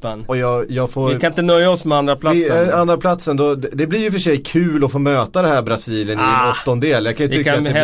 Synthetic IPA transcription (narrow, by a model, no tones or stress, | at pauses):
pːnɔjɑːɡjɑːɡfoːɾɪkanɪnt̪ənœjːaɔsmɛand̪ɾapʰlaand̪ɾapʰlat̪sənd̪ɔd̪ɛd̪ɛblɪɾjɵfœʂɛjkʰʉ̟ːlɔfoːmøːt̪ad̪ɛhæːɾbɾasiːlɪənɪɔt̪ːɔnd̪eːljɑkʰanjɵt̪ʰʏkːa